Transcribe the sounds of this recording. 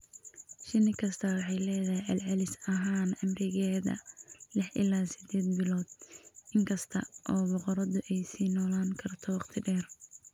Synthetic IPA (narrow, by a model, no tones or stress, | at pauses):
ʃɪnɪkʰɐst̪ʰɐwɑħɑjlɛːðɐhɪʕɑlʕɑlɪsɐɦaːnɐmrɪɣɛːðɐ̰lɪħʔɪ̰laːsɪd̪ɛːd̪̚bɪlɔːd̪̚ɪŋkʰɐst̪ʰɐ̰ʔɔːbɔqɔɾɐðʊʔɛjsiːnɔːlaːŋkʰɐrt̪ʰɔwɑqt̪ʰɪɖɛːr